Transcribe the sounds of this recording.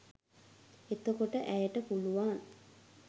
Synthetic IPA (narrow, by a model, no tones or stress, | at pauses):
et̪okoʈəʔæjəʈəpuluʋaːn